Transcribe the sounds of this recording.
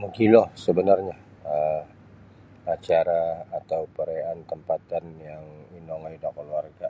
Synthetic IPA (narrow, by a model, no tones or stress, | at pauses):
məŋkilɔhsəbənarɲa | ə | at͡ʃaɾaːt̪awpəɾeant̪əmpat̪anjaŋinɔŋajudakəluarɡa